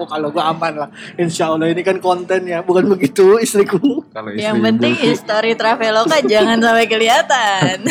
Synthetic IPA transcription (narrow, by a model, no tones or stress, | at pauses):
kaloɡuaamanlahinsalːahinikankont̪ɛnjabukanbəɡit̪uist̪ɾikukaloijaŋpənt̪ɪŋhist̪oɾit̪ɾafelokad͡ʒaŋansampajkəliat̪an